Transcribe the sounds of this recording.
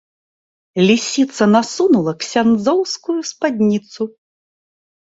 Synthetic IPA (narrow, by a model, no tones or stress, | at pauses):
lʲisʲit̪sɐnasunulˠɐksʲand̪zɔwskujuspad̪ʲnʲit̪su